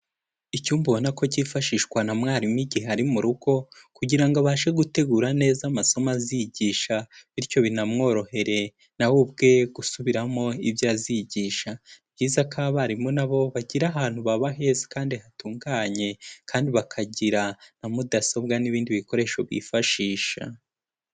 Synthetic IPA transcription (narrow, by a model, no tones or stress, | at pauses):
icuːmbuonako̞ciːfaʃiːʃkwanamŋaːɾimiɟihehaɾimuɾuɡo̞ | kuɟiɾaŋɡoβaːʃeɡute̞ɡuːɾane̞ːzamaso̞mazijɟiːʃaβiɾco̞βinamŋo̞ːɾo̞he̞ɾe̞ | nawub̚ɡe̞ɡ̥usuβiɾamo̞iβjaːziɟiːʃabɟiːzakʰaβaɾimonaβo̞βaɟiɾaɦaːn̥huβaβaɦezi̥kaːndihatuːŋɡaɲe̞kʰaːndiβakʰaɟiɾanamudaso̞bɡaniβiːndiβiko̞ɾe̞ʃo̞βḭːfaʃiːʃa̰